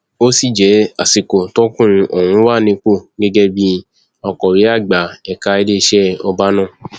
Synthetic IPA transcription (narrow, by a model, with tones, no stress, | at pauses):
o˦si˦˨d͡ʒɛ˨˦a̰˨si˨ko˨tɔ̃˦kũ˦˨˧ʔo˨hũ˨˧˦wa˦˨nĩ˧˦k͡po˦˨ɡɛ˦ɡɛ˦bi˦ | ɔ˧kɔ˨ɾi˨˦a˦˨ɡ͡ba˨ɛ˨ka˧i˧˦le˦˧ʃɛ˦ɔ˧ba˦nã˦˨